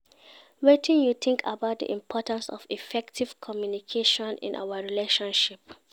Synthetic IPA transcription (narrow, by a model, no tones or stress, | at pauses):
wetʰĩnjuθʰɪ̃ŋkʰa̰baʊt̚dḭʔḭ̃mpʰɔtãnsɔ̰vifɛktʰiv̥kʰɔmjunikʰeʃɔ̃nḭ̃nʔa̰wəɹileʃɔ̃nʃip